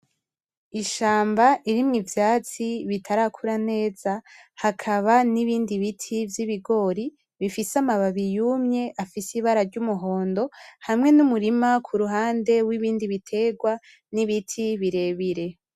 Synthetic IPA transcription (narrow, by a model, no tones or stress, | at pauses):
iʃaːmbaʔiɾimŋivjaːt͡siβitʰaɾakʰuɾane̞ːz̥ahakʰaβaniβiːndiβitʰivjiβiɡo̞ɾi | βifisamaβaβijumɲe̞ʔafisiβaɾaɾɟumuɦo̞ːndo̞haimŋe̞numuɾimakʰuɾuɦaːnde̞wiβiːndiβitʰe̞ɡwa | niβitʰiβiɾe̞βiɾe̞